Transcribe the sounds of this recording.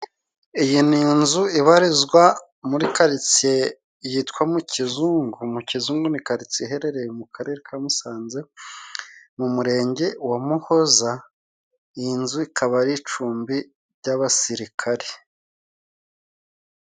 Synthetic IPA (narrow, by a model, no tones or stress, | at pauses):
ijiniːnzuiβaɾizɡwa | muɾikaɾit͡se | jitkwamucizuːŋɡumucizuːŋɡunikaɾit͡siiɦe̞ɾe̞ɾe̞jemukʰaɾe̞ːɾekʰamusaːnze̞ | mumuɾe̞ːɲɟe̞wamuho̞za | nzuikʰaβaɾit͡ʃuːmbi | ɾɟaβasiɾikʰaɾe̥